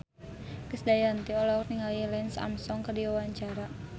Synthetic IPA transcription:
kəsdajant̪iɔlaurniŋaljilansa̰msɔŋkərdiwawaɲt͡ʃaɾa

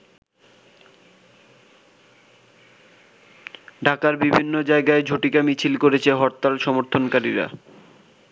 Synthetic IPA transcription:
ɖʱakaɾbibʱinːod͡ʑaeɡaed͡ʑʱoʈikamit͡ɕʰilkoɾet͡ɕʰeɦɔɾt̪ːalʃɔmoɾt̪ʰonkaɾḭɾa̰

